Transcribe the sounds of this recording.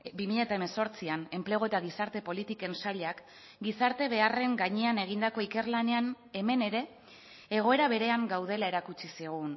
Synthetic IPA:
bimiʎet̪aeme̞so̞ɾt͡siane̞mple̞ɣ̞o̞e̞t̪aɣ̞isaɾt̪e̞po̞lit̪ike̞nsaʎak | ɡisaɾt̪e̞βe̞are̞ŋɡaɲeane̞ɣ̞ind̪ako̞ike̞ɾlane̞an | e̞me̞ne̞ɾe̞ː | ɣ̞o̞e̞ɾaβ̞e̞ɾe̞aŋɡawð̞e̞lae̞ɾakut͡ʃisiɣ̞un

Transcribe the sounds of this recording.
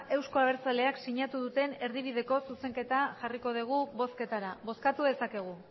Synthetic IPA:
e̞wsko̞aβe̞ɾt͡sale̞aksiɲat̪uðut̪e̞ne̞ɾðiβ̞iðe̞ko̞suse̞ŋke̞t̪aʝariko̞ð̞iɣ̞uβo̞ske̞t̪aɾaβo̞skat̪uðe̞sake̞ɣ̞u

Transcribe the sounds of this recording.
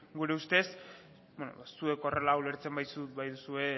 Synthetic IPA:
ɡuɾe̞ust̪e̞s | beno̰βasue̞ko̞re̞lawle̞ɾt͡se̞mbajsutbajðusue̞

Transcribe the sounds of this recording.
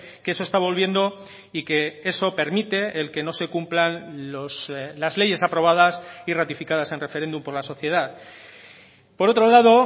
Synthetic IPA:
keeso̞est̪aβo̞lβje̞nd̪o̞ | ike̞e̞so̞pe̞ɾmit̪e̞elke̞no̞se̞kumplanoslazle̞ʝe̞sapɾo̞β̞aðasirat̪ifikaðase̞nre̞fe̞ɾe̞nd̪umpo̞ɾlaso̞θje̞ð̞að | po̞ɾo̞t̪ɾo̞laðo̞

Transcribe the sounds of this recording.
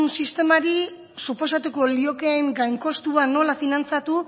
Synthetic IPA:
nsist̪e̞maɾi | supo̞sat̪uko̞lio̞ke̞ŋɡajŋko̞st̪uano̞lafinant͡sat̪u

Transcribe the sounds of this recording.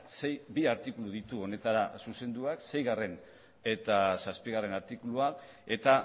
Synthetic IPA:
se̞jbiaɾt̪ikuluðit̪uo̞ne̞t̪aɾasuse̞nd̪uakse̞jɣare̞n | e̞t̪asaspiɣare̞naɾt̪ikulua | e̞t̪a

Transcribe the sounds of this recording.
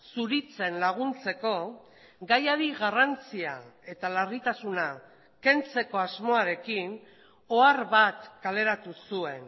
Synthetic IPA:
suɾit͡se̞nlaɣ̞unt͡se̞ko̞ | ɡajaðiɣarant͡sia̰e̞t̪alarit̪asuna | ke̞nt͡se̞ko̞azmo̞aɾe̞kin | o̞aɾβat̪kale̞ɾat̪usue̞n

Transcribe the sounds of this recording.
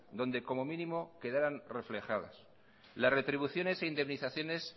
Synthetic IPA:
d̪o̞nd̪e̞ko̞mo̞mĩnĩmo̞ke̞ðaɾanre̞fle̞xaða̰s | lasre̞t̪ɾiβuθjo̞ne̞seind̪e̞mniθaθjo̞ne̞s

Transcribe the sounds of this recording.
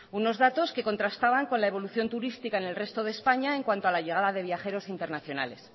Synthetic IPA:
uno̞zðat̪o̞ske̞ko̞nt̪ɾast̪aβ̞aŋko̞nlaeβ̞o̞luθjo̞nt̪uɾist̪ikaene̞lre̞st̪o̞ð̞e̞ːspaɲaeŋkwant̪oalaʝe̞ɣ̞aðaðe̞β̞jaxe̞ɾo̞sint̪e̞ɾnaθjo̞na̰le̞̰s

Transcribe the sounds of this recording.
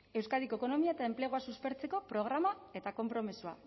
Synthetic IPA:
e̞wskaðiko̞eko̞no̞miaet̪ae̞mple̞ɣoasuspe̞ɾt͡se̞ko̞pɾo̞ɣ̞ɾamae̞t̪ako̞mpɾo̞misua̰

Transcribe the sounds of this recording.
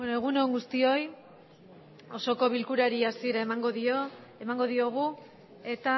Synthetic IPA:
enoeɣ̞unoŋɡust̪io̞j | o̞so̞ko̞βilkuɾaɾiasieɾaemaŋɡo̞ðio | emaŋɡo̞ðio̞ɣ̞u | e̞t̪a

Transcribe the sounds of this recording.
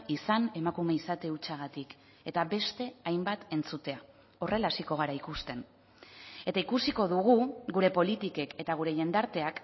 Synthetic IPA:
isane̞makume̞isat̪e̞ut͡ʃaɣ̞at̪ik | e̞t̪aβe̞st̪e̞ajmbat̪e̞nt͡sut̪e̞a | o̞re̞lasiko̞ɣ̞aɾaikust̪e̞n | e̞t̪aikusiko̞ðuɣ̞uɡuɾe̞po̞lit̪ike̞ke̞t̪aɣ̞uɾe̞ʝe̞nd̪aɾt̪e̞ak

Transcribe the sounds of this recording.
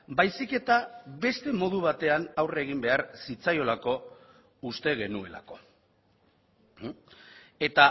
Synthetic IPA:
bajsike̞t̪aβe̞st̪e̞mo̞ð̞uβ̞at̪e̞anawre̞ɣ̞imbe̞aɾsit͡sajo̞lako̞ | ust̪e̞ɣ̞e̞nue̞̰la̰ko̞ | e̞t̪a

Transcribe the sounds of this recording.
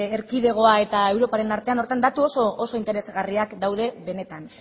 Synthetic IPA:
eɾkið̞e̞ɣ̞o̞ae̞t̪ae̞wɾo̞paɾe̞naɾt̪e̞ano̞ɾt̪and̪at̪uoso̞ːso̞int̪e̞ɾe̞zɣariakd̪awð̞e̞βe̞ne̞t̪an

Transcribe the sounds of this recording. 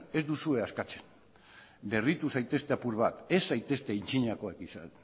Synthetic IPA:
e̞zd̪usue̞askat͡se̞̥n | be̞rit̪usajt̪e̞st̪e̞apuɾβat̪e̞sːajt̪e̞st̪e̞int͡ʃiɲako̞ekisan

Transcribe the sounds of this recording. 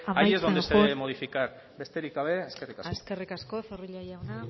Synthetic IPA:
amajajezðoeseemoðifikaɾ | be̞st̪e̞ɾikaβe̞eskerikaseskerikasko̞θeriʎajawna

